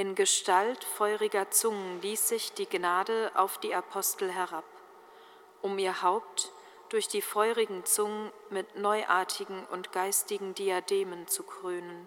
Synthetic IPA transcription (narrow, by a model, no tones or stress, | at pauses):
ʔɪnɡəʃtaltfɔʏʁɪɡɐt͡sʊŋənliːsz̥ɪçd̥iːɡnaːdəʔa̰ʊfd̥iːapʰɔstl̩ɦɛʁap | ʔʊmiːɐhaʊp̚t | d̥ʊɐçd̥iːfɔʏʁɪɡŋ̩t͡sʊŋənmɪtnɔʏʔaːɐtʰɪɡŋ̩ʔʊntɡ̥aɪstɪɡŋ̩diadeːmənt͡sukʁ̥øːnən